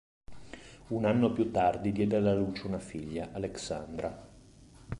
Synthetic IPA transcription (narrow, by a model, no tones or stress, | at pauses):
unanːoapjut̪ːard̪id̪jɛːd̪ealːaluːt͡ʃeunafiʎːaʔaleksa̰nd̪ɾa